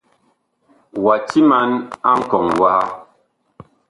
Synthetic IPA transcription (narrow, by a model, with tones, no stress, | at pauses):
wa˨ti˦ma˦na˦ŋ̩˦kɔ˨ŋwa˦ha˦